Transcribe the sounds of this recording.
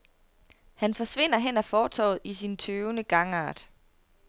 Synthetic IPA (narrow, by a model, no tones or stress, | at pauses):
hænfɒ̽sʋe̝n̰ɐɦen̰æfɒːt͡sʰɒ̰ːð̩ˠisint͡sʰøːʊnəɡ̥ɑ̈ŋɑ̰̈ːd̥